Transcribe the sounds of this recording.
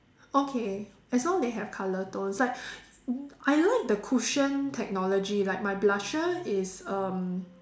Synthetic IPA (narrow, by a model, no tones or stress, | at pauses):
okʰe | ɛslɔ̃ŋdeɦɛv̥kʰalətõnslaɪk̚ | ʔajlaɪk̚dəkʰuʃə̃ntʰɛk̚nɔlod͡ʒilaɪk̚maɪblaʃəɪsʌ̃m